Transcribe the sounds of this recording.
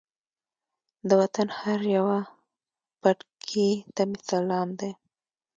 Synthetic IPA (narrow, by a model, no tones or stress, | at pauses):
d̪əwat̪anhaɾjawa | paʈkʰit̪amisalɑmd̪e